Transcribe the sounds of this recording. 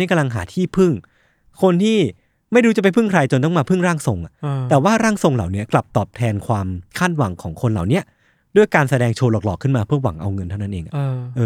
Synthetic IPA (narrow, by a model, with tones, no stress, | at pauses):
ka˧mla˧ŋɦa̰ː˩˦t̪ʰiː˥˩pʰɯ˥˩ŋ | kʰo˧nt̪ʰiː˥˩ | ma˥˩jduː˧t͡ɕa˨˩pa˧jpʰɯ˥˩ŋkʰɾa˧jt͡ɕo˧nt̪ɔ˥˩maː˧pʰɯ˥˩ŋɾaː˥˩ŋso˧ŋʔa̰˨˩t̪ɛː˨˩waː˥˩ɾaː˥˩ŋso˧ŋla̰˨˩wni˦˥ɐkla˨˩p̚t̪ɔː˨˩p̚t̪ʰɛː˧nkʰwaː˧mkʰaː˥˩t̪̚wa̰˩˦ŋkʰɔː˩˦ŋkʰo˧nla̰ː˨˩wni˦˥ɐ | du˥˩əjkaː˧nsa˧dɛː˧ŋt͡ɕʰoː˧lɔː˨˩k̚lɔː˨˩kʰːɯ˥˩nmaː˧pʰɯ˥˩ɐwa̰˨˩˦ŋʔa̰˧wŋɤ˧nt̪ʰa˥˩na˦˥ʔeː˧ŋʔa˨˩ʔɤː˧